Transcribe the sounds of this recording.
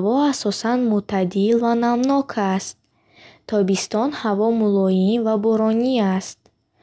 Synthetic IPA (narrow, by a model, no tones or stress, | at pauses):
vɔasɔsanmut̪ʰad̪ilvanamnɔkʰast̪̚ | t̪ʰːɔbist̪ɔnhavɔmulɔjinvabɔɾɔniast̪̚